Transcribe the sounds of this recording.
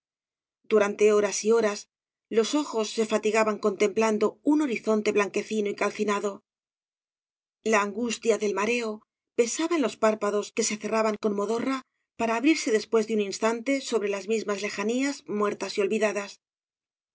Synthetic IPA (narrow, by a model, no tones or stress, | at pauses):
d̪uɾant̪e̞o̞ɾasio̞ɾas | lo̞so̞xo̞sːe̞fat̪iɣaβaŋko̞nt̪e̞mpland̪o̞uno̞ɾiθo̞nt̪e̞βlaŋke̞θinoikalθinaðo̞ | laːŋɡust̪jaðe̞lmaɾe̞o̞ | pe̞saβaenlo̞spaɾpaðo̞ske̞se̞θe̞raβaŋko̞nmo̞ðo̞ra | paɾaːβɾiɾse̞ðe̞spwe̞zðeuninst̪ant̪e̞so̞βɾe̞lazmizmazle̞xaniazmwe̞ɾt̪asio̞lβiðaðas